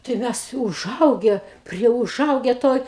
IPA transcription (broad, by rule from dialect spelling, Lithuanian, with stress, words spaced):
tɐɪ ˈmʲɛs ʊˈʒɐʊɡʲɛ ˈpʲrʲiɛ ʊˈʒɐʊɡʲɛ ˈtoːj